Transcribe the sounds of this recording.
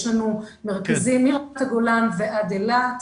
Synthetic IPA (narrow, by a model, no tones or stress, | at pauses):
ʃlanumeʁkazimiʁt̪aɡolamveʔad̪ela